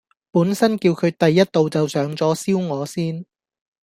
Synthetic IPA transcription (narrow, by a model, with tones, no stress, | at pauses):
puː˨˥nsɐ˥nkiː˧wkʰɵ˨˧ɥt̪ɐ˨jːɐ˥t̚t̪o˨wt͡sɐ˨wsœː˨˥ŋt͡sɔː˨˥siː˥wŋɔː˨˧siː˥n